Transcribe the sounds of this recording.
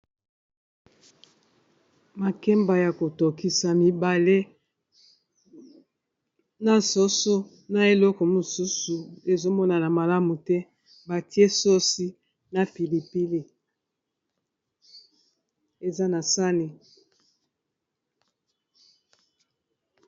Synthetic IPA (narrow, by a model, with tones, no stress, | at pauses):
ma˨kɛ˦mba˨ja˨ko˨to˨ki˨sa˨mi˨ba˨le˦ | na˨so˦so˦ | na˨e˨lɔ˦kɔ˨mo˨su˦su˨e˨zo˦mɔ˦na˨na˨ma˨la˦mu˨tɛ˦ | ba˨ti˦e˦so˦si˦ | na˨pi˨li˨pi˦li˦˨ | e˨za˦na˨sa˦ne˨